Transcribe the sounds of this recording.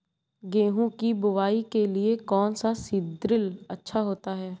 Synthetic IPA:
ɡẽːɦũkibʊʋaːikeliekɔːnsasid̪ɾɪlɐtːʃʰaɦoːt̪aɦɛː

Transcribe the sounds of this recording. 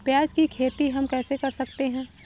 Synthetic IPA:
pjaːd͡ʒkikʰeːt̪iɦɐmkɛːsekɐɾsɐkt̪eɦɛ̃ː

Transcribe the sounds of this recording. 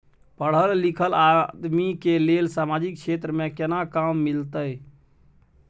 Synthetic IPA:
pəɽ̤əlːikʰəlad̪mikelelsamad͡ʒikt͡ʃʰet̪ɾəmẽkenakamːilt̪əj

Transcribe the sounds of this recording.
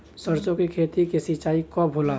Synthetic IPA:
səɾt͡ʃõkikʰeːt̪ikesit͡ʃaːikɔbʱola

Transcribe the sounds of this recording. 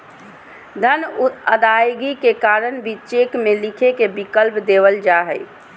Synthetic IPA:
d̪ʱənəd̪ajɡikekaɾənbʱit͡ʃekmelikʰekebikəlpd̪eʋəld͡ʒaɦɛj

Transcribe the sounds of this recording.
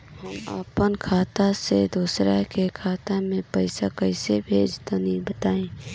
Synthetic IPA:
ɦəma̰ːpənkʰaːt̪ased̪uːsɾakekʰaːt̪amẽpɛɪsakəɪsebʱeːd͡ʒt̪anĩbət̪aːẽː

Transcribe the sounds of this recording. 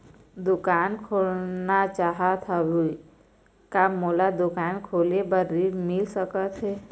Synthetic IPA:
d̪ʊkaːnkʰolnat͡ʃaːɦat̪ʰabui | kamolad̪ʊkaːnkʰoːlebəɾimɪlsəkət̪ɦe

